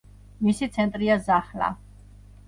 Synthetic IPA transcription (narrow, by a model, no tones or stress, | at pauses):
misit̪sʰɛnt̪ʼɾiazaχla̰